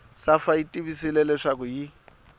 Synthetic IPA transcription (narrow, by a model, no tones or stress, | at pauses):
safaitʼiβisilɛlɛʂak̬ʊji